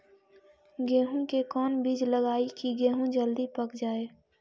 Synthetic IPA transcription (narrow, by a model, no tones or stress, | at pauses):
ɡeːɦũkekɔːnbid͡ʒləɡaːikiɡeːɦũd͡ʒəld̪ipəkd͡ʒaːe